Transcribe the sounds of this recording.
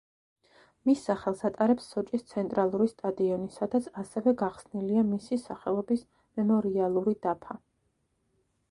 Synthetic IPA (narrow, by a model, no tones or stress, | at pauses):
misːaχɛlˠsat̪ʼaɾɛpsːɔt͡ʃʼist̪sʰɛnt̪ʼɾalˠuɾist̪ʼad̪iɔnisad̪at̪sʰasɛvɛɡaχsniliamisisaχɛlˠɔbis | mɛmɔɾialˠuɾid̪̥apʰa